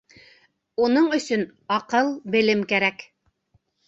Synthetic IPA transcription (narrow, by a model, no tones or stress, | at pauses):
unɤɴɵ̆sɵnɑqɤlˠbɘ̆lɘmkæɾæk